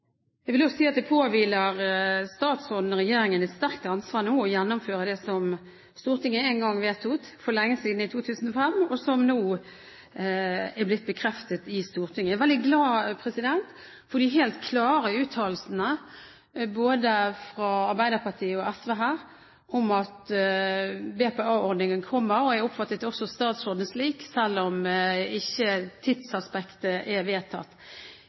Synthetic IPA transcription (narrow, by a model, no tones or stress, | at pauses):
jɛɡʋɪlɔssiːɑt̪̚d̪ɛpʰoːʋiːləʁst̪ɑːt̪sɔd̪n̩ʁɛjeːɾɪŋənɛt̪st̪æʁkt̪ɑnsʋɑːʁnuːɔjɛnːʊmføːʁəd̪ɛsɔm | st̪uːʁt̪ʰɪŋːəɛnɡɑŋʋeːt̪ʰuːt̪fɔlɛŋːəsiːd̪n̩ɪt̪ʰuːt̪ʰʉːsn̩ɔfɛmɔsɔmnuː | æɾblɪt̪̚bəkʰɾɛft̪ət̪ɪst̪uːʁt̪ʰɪŋːəæʋɛld̪ɪɡlɑːpʰɾɛsɪd̪ɛnt̪ | fɔʁd̪ɪɦeːlt̪kʰlɑːɾəʉːt̪ʰɑːlsənə | boːd̪əfɾɑɑɾbæɪd̪əʁpʰɑʁt̪ʰiːəɔɛsʋɛːɦæː | ɔmɑt̪ | bɛːpɛɑːɔɾd̪nɪŋənkʰɔmːəɾɔɛɾʊpfɑt̪ːət̪ɔsɔst̪ɑːt̪sɔʁd̪ənsliːksɛlːɔmɪçːət̪ʰɪd̪sɑspɛkt̪əʔɛʋeːt̪ʰɑ̰t̪ː